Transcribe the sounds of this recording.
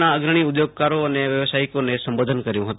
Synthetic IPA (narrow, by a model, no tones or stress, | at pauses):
nãəɡɾəɽ̃iʊd̪joːɡ̚kaːɾoəneʋjəʋsaːɪkonesə̃mboːd̪ʱənkəɾjũɦət̪